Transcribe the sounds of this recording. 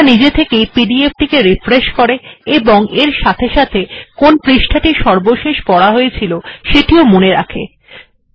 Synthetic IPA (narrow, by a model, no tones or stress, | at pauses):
nid͡ʑet̪ʰekejpiɖiefʈikeɾifɾeʃkoɾeeboŋeɾʃat̪ʰeʃat̪ʰekonpɾiʃʈʰaʈiʃɔɾboʃeʃpɔɽaɦoet͡ɕʰiloʃeʈiomoneɾa̰kʰḛ